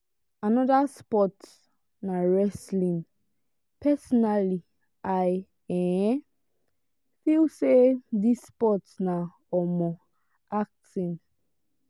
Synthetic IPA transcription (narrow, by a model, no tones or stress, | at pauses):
anɔdaspɔt | naɹɛslĩn | pɛsɔnali | aj | ɛ | filsedispɔtsna | ɔmɔ | ak̚tĩn